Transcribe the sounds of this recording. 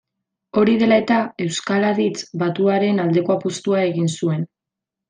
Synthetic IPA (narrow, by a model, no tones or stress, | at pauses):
o̞ɾið̞e̞lae̞t̪ae̞wskalaðit͡sbat̪uaɾe̞nald̪e̞ko̞apust̪uae̞ɣinsue̞n